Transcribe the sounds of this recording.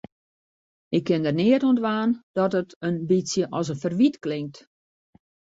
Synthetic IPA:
ɪkːɪndərnɪətontʋaːnd̥ɔtətənbisjəʔɔsənfərʋitklɪŋk̚t

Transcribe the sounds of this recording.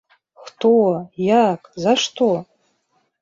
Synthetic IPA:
χtʰowajakʼzaʂtʰo

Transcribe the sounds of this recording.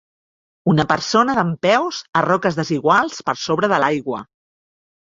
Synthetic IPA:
unəpəɾsonəðəmpɛwzərɔkəzðəziɣwalˠspəɾsoβɾəðəlajɣwə̰

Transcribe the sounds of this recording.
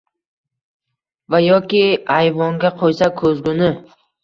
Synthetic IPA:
vajɒkʲɪajvɒŋɡʲaqʰojsakʰɵzɡʲʊnɪ

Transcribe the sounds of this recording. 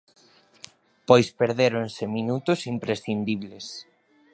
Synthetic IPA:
pojspeɾðeɾonseminut̪ʊsimpɾesθind̪iβ̞les

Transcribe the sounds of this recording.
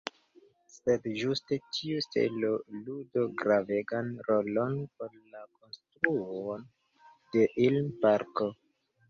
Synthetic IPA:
se̞dʒuste̞tʰiuste̞̰lo̞ludo̞ɡɾave̞ɡanɾolo̞npo̞ɾlako̞nstɾuon | de̞ʔilmpaɾko

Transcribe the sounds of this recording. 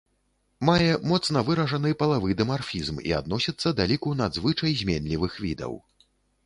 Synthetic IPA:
majɛmɔt̪snɐvɨɾɐʐɐnɨjpɐlˠavɨd̪ɐmarfʲizmḭa̰d̪nɔsʲɐt̪sːɐd̪alʲikunad̪zvɨt͡ʂɐjzʲmʲenʲlʲivɨxvʲid̪ɐ̰w

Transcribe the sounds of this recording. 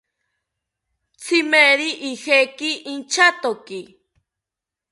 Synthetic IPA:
t͡sʰimeɾiʔihekiʔint͡ʃat̪oki

